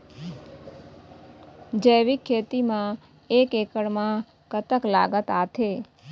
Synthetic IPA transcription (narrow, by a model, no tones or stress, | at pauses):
d͡ʒəjʋikʰːet̪imã | ekekəɽmã | kət̪əkla̰ɡət̪at̪ʰe